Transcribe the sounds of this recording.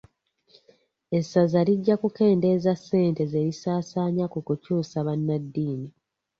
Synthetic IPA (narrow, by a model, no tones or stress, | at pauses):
e̞sːazaliɟːakuke̞ːnde̞ːzasːe̞ːnte̞ze̞ɾisaːsaːɲakukucuːsaβanːadːiːni